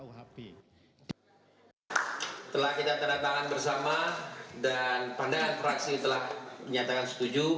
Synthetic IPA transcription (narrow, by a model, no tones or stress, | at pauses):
t̪əlahkit̪at̪əɾdat̪akanbərsamadanpandaŋanfɾaksit̪əlahməɲat̪akansə̥t̪ud͡ʒu